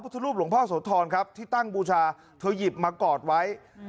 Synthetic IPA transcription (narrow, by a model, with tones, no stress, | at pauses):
pʰu˦˥t̪ʰːa˧ɾu˥˩p̚lu˩˦pʰɔː˥˩soː˩˦t̪ʰɔː˧nkʰa˦˥p̚t̪ʰiː˥˩t̪a˥˩ŋbuː˧t͡ɕʰaː˧ | t̪ʰɤː˧ji˨˩p̚maː˧kɔː˨˩t̪̚wa˦˥j